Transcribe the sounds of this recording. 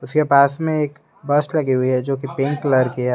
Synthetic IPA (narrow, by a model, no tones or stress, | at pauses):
ʊskepaːsmẽeːk | bɐslɐɡiɦʊiɦɛd͡ʒoːkipɪ̃ŋkləɾkiɛ